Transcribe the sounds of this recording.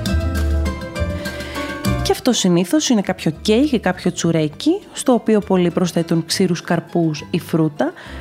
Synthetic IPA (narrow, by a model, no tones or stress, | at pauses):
ceɐft̪o̞siniθo̞sine̞kɐpço̞cejɣikɐpço̞t͡suɾecist̪o̞ːpio̞po̞lipɾo̞sθe̞t̪unksiɾuskɐɾpusifɾut̪ɐ